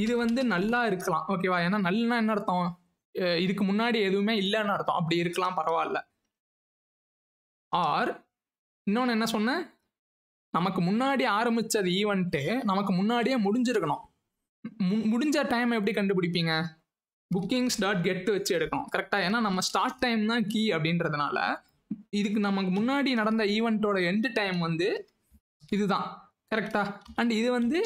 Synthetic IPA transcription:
ɪðɯʋɐnd̪ɯnɐlːaːɪɾɯkːɐlã̰ːʔoːk̬eːʋaːeːnːaːnɐlːnːãːɛnːɐɪɽɯt̪ːõ | ɪðɯkːɯmʊnːaːɽiɛðɯʋɯmeːɪlːɐnːɐɐɽɯt̪ːõ̰ʔɐp̬ːɐɽiɪɾɯkːɐlãːpɐɾɐʋaːɪlːɐ | aːɾ | ɪnːõːɳɛnːɐsɔnːa | nɐmɐkːɯmʊnːaːɽiaːɾɐmbɪt͡ʃːɐðɐiːʋɛɳʈːɯnɐmɐkːɯmʊnːaːɽijeːmʊɽɪɲd͡ʒɪɾɯkːɐɳʊ̃ | mmʊɽʊɲd͡ʒɐʈɐɪmɛp̬ːɐɽikɐɳɖɯp̬ɪɽɪp̬ːiːŋɡɐ | bʊkːɪŋɡsʈaːɾʈ̚ɡɛʈːɯʋɐt͡ʃːɯɛɽɯkːɐɳʊ̰̃kɐɾɛk̚ʈaːeːnːaːnɐmːɐsʈaːɾʈːɐɪmt̪ãːkiːɐpːɐɽɪnɾɐðɯna̰ːlɐ̰ | ɪðɯkːɯnɐmɐkːɯmʊnːaːɽinɐɽɐnd̪ɐiːʋɛɳʈːoːɽɐɛɳɖɯʈːɐɪmʋɐnd̪ɯ | ɪðɯt̪ãː | kɐɾɛk̚ʈaːɐɳɖɪðɯʋɐnd̪ɯ

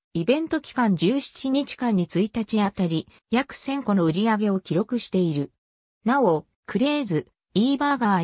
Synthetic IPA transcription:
ibẽ̞nt̪o̞kʲi̥kãɲ̟d͡ʑɨːɕi̥t͡ɕiɲ̟it͡ɕi̥kãɲ̟ːit͡sɨit̪at͡ɕiat̪aɾʲi | jakɯ̟̥sẽ̞ŋko̞no̞ɯ̟ɾʲiaɡe̞o̞kʲiɾo̞kɯ̟ɕi̥t̪e̞iɾɯ̟ | nao̞ | kɯ̟ɾe̞ːzɨ | iːbaɡaː

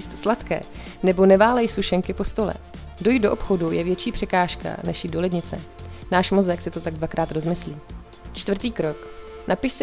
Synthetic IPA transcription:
ist̪slat̪kɛ̰ː | nɛbo̞nɛvaːlɛjsuʃɛŋkɪpo̞st̪o̞lɛ̰ | do̞jido̞ʔopxo̞dujɛvjɛt͡ʃiːpr̥ɛkaːʃka̰nɛʃjɪdo̞lɛdɲɪt͡sɛ̰ | naːʃmo̞zɛksɪt̪o̞t̪aɡ̚dvakɾaːt̪ɾo̞zmɪsliː | t͡ʃt̪vr̩t̪iːkɾo̞knʔapɪʃsɪ

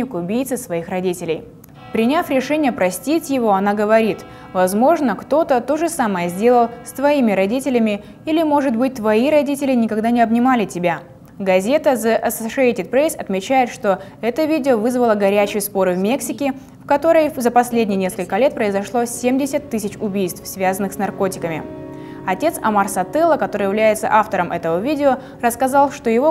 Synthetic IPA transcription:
ɪkʊbʲijt̪sɨsvɐixrɐdʲitʲɪlʲɪ̰j | pɾʲɪnʲafɾʲɪʂɛnʲɪjəpɾɐsʲtʲitʲjɪvo̞ɐnaɡəvɐɾʲit̪ | vɐzmo̞ʐnəkt̪o̞t̪ət̪o̞ʐɨsaməjəzʲdʲe̞lˠəlˠsʲt̪vɐimʲɪɾɐdʲitʲɪlʲɪmʲɪ | ilʲɪmo̞ʐɨt̪bɨt̚ʲt̪vɐiɾɐdʲitʲɪlʲɪnʲɪkɐɡd̪anʲɪɐbnʲɪmalʲɪtʲɪbʲa | ɡɐzʲe̞t̪əzəʔɐsəʂɨejtʲɪt̪̚pɾesɐ̰t̪mʲɪt͡ɕæjɪt̪ʂt̪o̞ɛt̪əvʲidʲɪovɨzvəlˠəɡɐɾʲæt͡ɕɪjəspo̞ɾɨvmʲe̞ksʲɪkʲɪ | fkɐt̪o̞ɾəjzəpɐsʲlʲedʲnʲɪjnʲe̞skəlʲkəlʲe̞t̪̚pɾəɪzɐʂlˠo̞sʲemdʲɪsʲət̪ːɨsʲɪt͡ɕʊbʲijst̪fsvʲazənːɨxsnɐrko̞tʲɪ̥kəmʲɪ̰ | ɐtʲe̞t̪sɐ̰marsɐt̪ɛlˠəkɐt̪o̞ɾɨjɪvlʲæjɪt̪sə̰ʔaft̪əɾəmʔɛt̪əvəvʲidʲɪo | rəskɐzɑlˠʂt̪ojɪvo

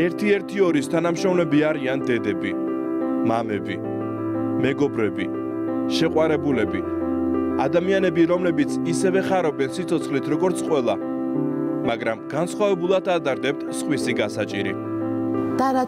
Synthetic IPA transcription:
ɛɾt̪ʰiɛɾt̪ʰiɔɾist̪ʰanamʃɾɔmlɛbiaɾiand̪ɛd̪ɛbi | mamɛbi | mɛɡɔbɾɛbi | ʃɛqʼwaɾɛbulɛbi | ad̪amianɛbiɾɔmlɛbit̪sʰisɛvɛχaɾɔbɛnsit̪sʰɔt̪sʰχlit̪ʰɾɔɡɔɾt̪sʰqʼwɛlˠa | maɡɾamɡ̥ansχwavɛbulˠad̪ʰad̪ʼaɾd̪ɛp̚t̪ʰsχwisiɡasat͡ʃʼiɾḭ | d̪̥aɾ

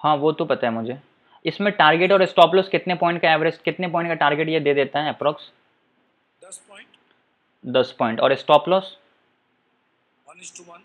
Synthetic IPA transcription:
hãːʋot̪opɐt̪aɦɛmʊd͡ʒʱe | ɪsmẽʈaːɾɡeʈɔːɾɪsʈɔːplɔːskɪt̪nepɔ̃ːɪ̃ɳʈkaɛːʋɾesʈkɪt̪nepɔːɪ̃ɳʈkaʈaːɾɡeʈjed̪eːd̪eːt̪aɦɛ̃ɛpɾɔːks | d̪ɐspɔːɪ̃ɳʈɔ̰ːɾɪsʈɔːplɔːs

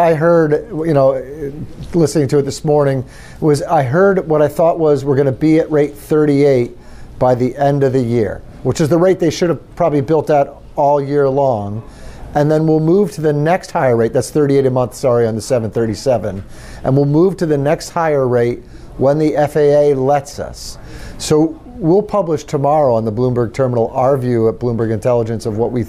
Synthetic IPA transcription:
aɪɦɜ˞djɨñoʊ | lɪsnɪ̃ŋtʰɨɨt̪̚ðɪsmɔɹnɪ̃ŋ | wʌzaɪɦɜ˞d̚wʌɾaɪθɔʔ̚wʌzwəɹɡʌnɨbiɨʔ̚ɹeɪt̪̚θɜ˞ɾieɪt̚ | b̥aɪðiʔɛ̃ndʌvðɨjɪ̰ɹ | wət͡ʃɨzðəɹeɪt̪̚ðeɪʃʊɾɨv̥pʰɹ̥ɑbəblibɪlˠtaʊɾ | ɔlˠjɪɹlɔ̃ŋ | ɨ̃nðɨ̃nwilˠmuv̥tʰɨðɨnɛkst̚haɪə˞ɹeɪt̪̚ðætsθɜ˞ɾieɪɾɨmʌ̃nθsɑɹiɨ̃nðɨsɛvɨ̃n̩θɜ˞ɾisɛvɨ̃n | ʔɨ̃nwilˠmuv̥tɨðɨnɛkst̚haɪə˞ɹeɪt̚ | wə̃nðiʔɛfeɪeɪlɛtsʌ̰sː | oʊ | wilˠpʰʌbləʃtʰəmɑɹoʊə̃nðəblũmbə˞ɡ̚tʰɜ˞mənl̩ˠɑəɹvjʉət̚b̥lũmbə˞ɡɨ̃ntʰɛlˠəd͡ʒɨ̃nsʌvwʌʔ̚wi

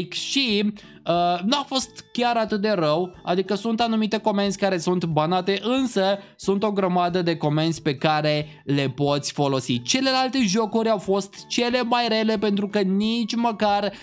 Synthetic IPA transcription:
kʃi | ənuafo̞st̪kʲaɾat̪ɨt̪̚d̪e̞rəwa̰d̪ikəsunt̪anumit̪e̞ko̞me̞nsʲkaɾe̞sunt̪banat̪e̞ʔɨnsə | sunt̪o̞ɡɾəmad̪əd̪e̞ko̞me̞nsʲpe̞kaɾe̞ | le̞po̞t̪sʲfo̞lo̞sit͡ʃe̞le̞lalt̪e̞ʒo̞kuɾʲawfo̞st̪t͡ʃe̞le̞majre̞le̞pe̞nt̪ɾukənit͡ʃʲməkar

